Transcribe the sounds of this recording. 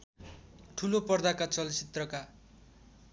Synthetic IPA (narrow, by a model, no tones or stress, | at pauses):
ʈʰulopʌrd̪akat͡sʌlt͡sit̪rʌka